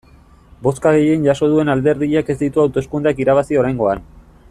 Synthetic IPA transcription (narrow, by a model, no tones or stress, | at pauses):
bo̞skaɣ̞e̞je̞nʝaso̞ð̞ue̞nald̪e̞ɾðiʎake̞zd̪it̪uawt̪o̞skund̪eakiɾaβ̞asio̞ɾajŋɡo̞an